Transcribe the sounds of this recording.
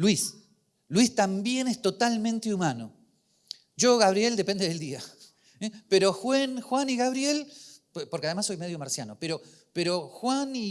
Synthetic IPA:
lwis | lwist̪ambje̞nest̪o̞t̪almẽ̞nt̪eumano̞ | ʒo̞ɣaβɾje̞ld̪e̞pe̞nd̪eeld̪ia | peɾo̞xwenxwaniɣaβ̞ɾje̞l | poɾkeað̞emasːo̞jmeðjo̞maɾsjano̞peɾo̞ | peɾo̞xwani

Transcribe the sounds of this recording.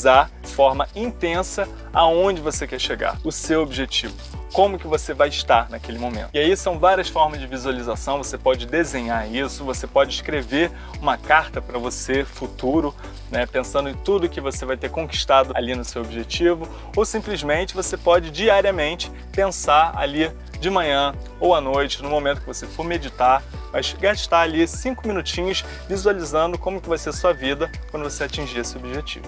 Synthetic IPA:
zaɾd͡ʒɪfɔɾmɐĩnt̪ẽsɐ | aõd͡ʒɪvosekɛʃeɡa̰ɾʊsewobiʒet͡ʃivʊkõmʊkɪvosevajɪʃt̪aɾnɐkelɪmomḛ̃t̪ʊiaisɐ̃w̃vaɾiɐsfɔɾmɐzd͡ʒɪvizualizasɐ̃w̃vosepɔd͡ʒɪd̪ezẽɲaɾisʊvosepɔd͡ʒɪiʃkɾeveɾ | ũmɐkaɾt̪ɐpɾɐvosefut̪uɾʊ | nɛpẽsɐ̃nd̪ʊẽj̃t̪ud̪ʊkɪvosevajt̪eɾkõki̥ʃt̪ad̪ʊa̰linʊsewobiʒet͡ʃivʊ | owsĩmplizmẽnt͡ʃɪvosepɔd͡ʒɪd͡ʒiaɾiɐmẽnt͡ʃɪ̥ | pẽsaɾa̰li | d͡ʒɪmɐ̃ɲɐ̃ | owanojt͡ʃɪnʊmomẽt̪ʊkɪvosefoɾmed͡ʒit̪aɾmɐjʃɡaʃt̪aɾalisĩŋkʊmĩnut͡ʃĩɲʊʃ | vizualizɐ̃nd̪ʊkõmʊkɪvajseɐsuɐvid̪ɐkwɐ̃nd̪ʊvoseat͡ʃĩʒiesɪobiʒet͡ʃḭvʊ

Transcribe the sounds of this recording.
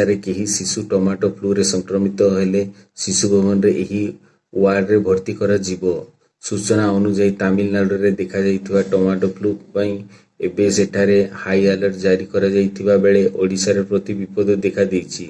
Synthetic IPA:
aɾekeɦisisuʈɔmaʈɔpʰluɾesɔŋkɾɔmit̪ɔɦele | sisubʱɔɡɔnɔɾeʔeɦi | aɖɾebʱɔɾt̪ikɔɾad͡ʒibɔ | sut͡ʃɔnaɔnud͡ʒajt̪amilnaɽɔɾed̪ekʰad͡ʒajt̪ʰibaʈɔmaʈɔpʰlupaĩ | ebeseʈʰaɾehajalɔɾd͡ʒaɾikɔɾad͡ʒajt̪ʰibabeɭeʔoɽisaɾepɾɔt̪ibipɔd̪ɔd̪ekʰad̪ejt͡ʃʰi

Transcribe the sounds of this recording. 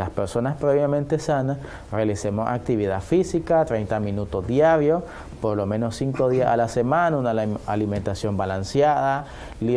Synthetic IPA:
laspeɾsonaspɾeβjamẽnt̪esanas | realisemosa̰k̚t̪iβiðafisikat̪ɾejnt̪amĩnut̪ozd̪jaɾjos | poɾlomẽnosːiŋkoðiasalasemãnaunaaliment̪asjo̞mbalansjaða | li

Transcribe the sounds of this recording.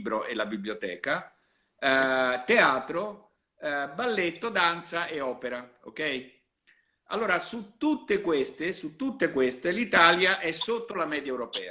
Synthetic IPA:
bɾoʔelabibljot̪ɛ̰ːka | t̪eaːt̪ɾo | balːet̪ːod̪ant̪saʔeɔːpeɾa | o̰kɛj | a̰lːoːɾasut̪ːut̪ːekwest̪esut̪ːut̪ːekwest̪elit̪aːljaʔɛsːot̪ːolamɛːd̪jaɛewɾopɛːa

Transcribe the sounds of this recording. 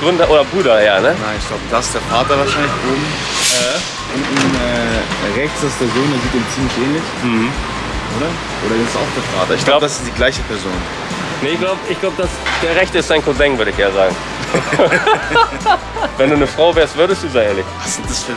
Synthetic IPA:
ɡ̥ʁʏndɐʔoːɾɐbʁuːɾɐjaːnənaɪnɪçɡ̥laʊbəd̥aɪsd̥eːɐfaːtɐvaɐʃaɪnlɪçʔoːm̩ | ʔɛ | ʔʊnn̩ɛːʁɛçtd̥asd̥eːɐzoːndeːɐziːtiːmt͡siːmlɪçʔɛːnlɪçm̩hm̩ | ʔoːɾɐ | ʔoːɾɐɛɪsta̰ʊxd̥eːɐfa̰ːtɐɪçɡ̥laʊbədasɪstd̥iːɡlaɪçəpʰɛɐzoːn | neːɪçɡ̥laʊbəʔɪçɡ̥laʊbədasd̥eːɐʁɛçtəɪstz̥aɪnkʰozaŋvʏɐɾəɪçʔeːɐzaːɡŋ̩ | vɛnduːnəfʁ̥aʊvɛːɐstvʏɐɾəstd̥uːzaeːɐlɪçvasɪnd̥asfy

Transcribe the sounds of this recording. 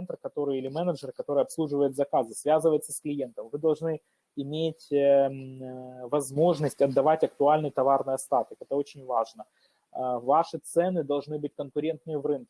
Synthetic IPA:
ɛnt̪rkɐt̪o̞ɾɨjɪlʲɪmɛnəʐɨrkɐt̪o̞ɾɨjɐpslˠuʐɨvəjɪt̪zɐkazɨsvʲazɨvəjɪt̪səsklʲɪje̞nt̪əmvɨd̪ɐlˠʐnɨ | ɪmʲetʲ | vɐzmo̞ʐnəsʲtʲɐd̪ːɐvatʲɐk̚t̪ʊalʲnɨjt̪ɐvarnɨjɐst̪at̪ɨkɛt̪əo̞t͡ɕɪnʲvaʐnə | vaʂɨt̪sɛnɨd̪ɐlˠʐnɨbɨtʲkənkʊɾʲe̞nt̪̚nɨjəvrɨnkʲɪ

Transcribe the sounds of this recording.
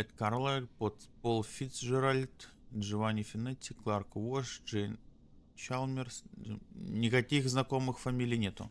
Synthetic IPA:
ɛt̪kaɾlˠapot̪polˠfʲit̪sʐɨɾalʲt̪ʐɨvanʲɪfʲɪnɛt̪ʲːɪklˠarkvoʂʐɛn | t͡ʃalˠmʲɪrs | nʲɪkɐkʲixznɐko̞mɨxfɐmʲilʲɪjnʲe̞t̪ʊ̰

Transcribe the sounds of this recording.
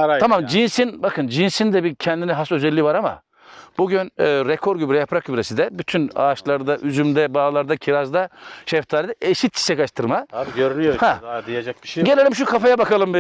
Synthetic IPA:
amamd͡ʒinsinbakʰɯnd͡ʒinsind̪ɛbicʰɛnd̪inɛɦasø̞zɛlʲːiːvaɾama̰ | b̥uɟynːɾekʰo̞ɾɟybɾɛjapʰɾak̚ɟybɾesid̪ɛbyt̪ʰyna̰ːʃlˠaɾd̪aʔyzymd̪ɛbaːlˠaɾd̪acʰiɾazd̪aʃɛft̪ʰaːɾd̪ɛʔeʃit̪ji̥ʃɛkaʃt̪ʰɯɾmaøɾynyjhaijad͡ʒak̚iʃɟe̞lʲe̞lʲimʃ̬ukʰafajabakalˠɯmb

